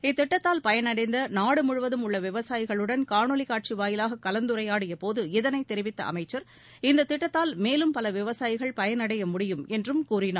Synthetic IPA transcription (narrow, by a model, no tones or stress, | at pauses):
ɪt̪ːɪʈːɐt̪ːaːlpɐjɐnɐɽɐɪnd̪ɐnaːɽɯmʊɻʊʋɐðɯmʊɭːɐʋɪʋɐsaːjɪɣɐɭɯɽɐnkaːnɔlɪkːaːʈ̚t͡ʃiʋaːjɪlaːɣɐkːɐlɐnd̪ɯɾɐjaːɽɪjɐpoːðɯɪðɐnɐɪt̪ːɛɾɪʋɪt̪ːɐ̰ʔɐ̰mɐɪt͡ʃːɐɾ | ɪnd̪ɐt̪ːɪʈːɐt̪ːaːlmeːlɯmpɐlɐʋɪʋɐsaːjɪɣɐɭpɐjɐnɐɽɐjɐmʊɽɪjɯmɛndrɯmkuːrɪnaː